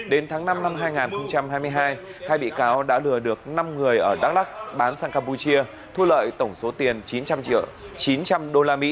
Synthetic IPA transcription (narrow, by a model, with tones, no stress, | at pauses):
ɗe˨˦nt̪ʰaː˨˦ŋna˧mna˧mɦaː˧jŋaː˨˩nxə˧wŋ͡mt͡ɕa˧mhaː˧jmɨ˧əjɦaː˧jhaː˧jɓḭ˧˨kaː˨˦wɗa̰ː˧˥lɨ˨˩əɗɨ˨˩ək̚na˧mŋɨ˨˩əjʔəː˧˩ɗa˦˥k̚ɗa˦˥k̚ɓaː˨˦nsaː˧ŋkaː˧mpu˧t͡ɕi˧ə | t̪ʰu˧lə̰ː˧˨jt̪ə˧˩wŋ͡mso˨˦t̪i˨˩ənt͡ɕi˨˦nt͡ɕa˧mt͡ɕḭ˧˨wt͡ɕi˨˦nt͡ɕa˧mɗo˧laː˧mḭ˧˥